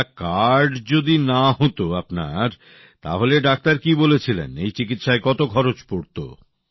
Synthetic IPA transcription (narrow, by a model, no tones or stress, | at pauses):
kaɾɾɖd͡ʑod̪inaɦot̪oapna̰ɾ | t̪a̰ɦoleɖak̚t̪aɾkibolet͡ɕʰilḛnejt͡ɕik̬it̪ʃaekɔt̪okʰɔɾot͡ɕpoɾt̪o̰